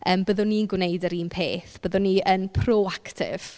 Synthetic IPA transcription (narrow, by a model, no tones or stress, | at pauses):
ʔəːmbəðʊnːiənɡwnejdəɾiːnpʰeːθb̥əðʊnːiənpʰroaktʰɪ̰v̥